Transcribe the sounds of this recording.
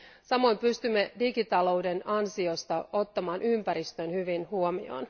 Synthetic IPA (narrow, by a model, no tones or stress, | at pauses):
sɑmo̞jmpyst̪ymːedikit̪ɑlo̞wde̞nɑnsio̞st̪ɑʔo̞t̪ːɑmɑːnʔympæɾist̪ønhyʋinhuomḭo̞̰ːn